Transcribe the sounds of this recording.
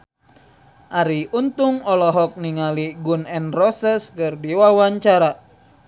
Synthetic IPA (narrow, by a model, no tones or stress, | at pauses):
ʔaɾiunt̪uŋɔlɔɦɔk̚niŋaliɡunɛnrɔsɛskɨrdiwawaɲt͡ʃaɾa